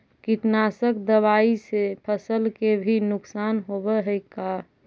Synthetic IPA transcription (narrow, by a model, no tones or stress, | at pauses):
kit̪nasəkd̪əβaisepʰəsəlkebʱinʊksaːnɦobəɦɛka